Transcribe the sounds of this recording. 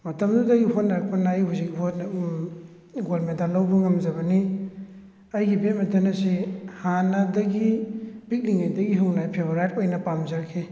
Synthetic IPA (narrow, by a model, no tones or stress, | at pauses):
mɐtɐmdudɐɡihotnaɾɐk̚pɐnaːjhuzik̚hot | ɡolmetalɐwbɐŋɐmzɐβɐni | ɐjɡibetmɐtʰanɐsihanɐdɐɡibik̚liŋajdɐɡiɦɐwnajpʰeboɾajtojnɐpamzɐɾkʰe